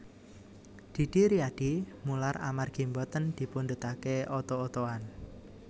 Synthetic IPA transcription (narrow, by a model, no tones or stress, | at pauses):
d̪̥i̤d̪̥i̤ɾiad̥imulara̰marɡ̥i̤mbɔt̪ənd̪̥i̤pund̪ət̪akeɔt̪oːt̪oan